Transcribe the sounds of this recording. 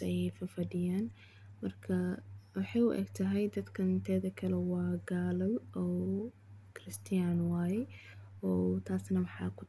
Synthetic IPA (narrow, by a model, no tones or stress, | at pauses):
ɛjɛjfɐfɐdɪjaːn | mɐrkʰɐwʊħɑjʊ̰ʔɛ̰ɡt̪ʰɐɦɛjd̪ɐd̪kʰɐt̪ʰɛːðɐkʰɐlɛwɑːɡaːlɐlɔː | kʰrɪst̪ʰɪjaːnwaːjɛ | ɔːt̪ʰaːsnɐmɑħɑ̰ːkʰʊ̥